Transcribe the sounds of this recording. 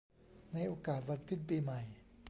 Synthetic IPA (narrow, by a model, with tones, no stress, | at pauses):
na˧jʔoː˧kaː˨˩t̪̚wa˧n̚kʰɯ˧˥˩npiː˧ma˨˩j